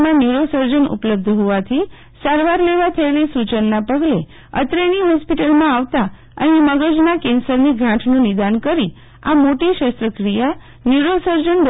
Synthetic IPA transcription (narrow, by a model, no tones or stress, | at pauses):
mãnjuɾosəɾd͡ʒənʊ̰pləb̚d̪ʱɦoʋat̪ʰi | saɾʋaɾleʋat̪ʰəelisut͡ʃənːapəɡle | ə̰t̪ɾeniɦɔspiʈəlmãaʋt̪a | ə̰neməɡəd͡ʒnakɛnsəɾniɡʱãʈʰnũnɪd̪ankəɾi | a̰moʈiʃəst̪ɾəkɾija | njuɾosəɾd͡ʒənd̪